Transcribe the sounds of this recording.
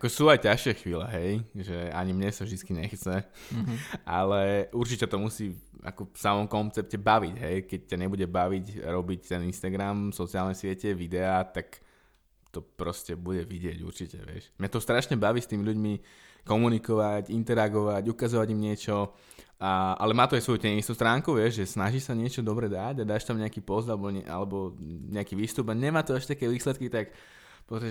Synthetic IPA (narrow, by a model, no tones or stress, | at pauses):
akɔsuːajcaʃɪɛxʋiːlɛɦɛjʒɛa̰ɲimɲɛsavʒd̪it͡skiɲɛxt͡sɛ | ʔa̰lɛʔuɾt͡ʃicɛsɛt̪ɔmusiːa̰kɔfsamɔmkɔnt͡sɛp̚cɛbaʋiɟɦɛjkɛc̚caɲɛbuɟɛbaʋiɟɾɔbict̪ɛninst̪aɡɾamsɔt͡sɪaːlnɛsɪɛcɛʋid̪ɛaːt̪ak | t̪ɔpɾɔscɛbuɟɛʋiɟɪɛɟṵɾt͡ʃicɛ̰ʋɪɛ̰ʃmɲat̪ɔst̪ɾaʃɲɛbaʋiːst̪iːmiʎuɟmi | kɔmunikɔʋacint̪ɛɾaɡɔʋaɟukazɔʋaɟimɲɪɛt͡ʃɔ | aʔa̰lɛmaːt̪ɔaɪsʋɔjucɛɲist̪ust̪ɾaːŋkuʋɪɛʒʒɛsnaʒiʃsaɲɪɛt͡ʃɔd̪ɔbɾɛd̪aɟad̪aːʃt̪amɲɛakiːpɔsd̪alɛbɔɲɛʔa̰lɛbɔɲɛakiːʋiːst̪ubaɲɛmaːt̪ɔaʃtt̪akɛʋiːslɛt̪̚kit̪ak | pɔt̪a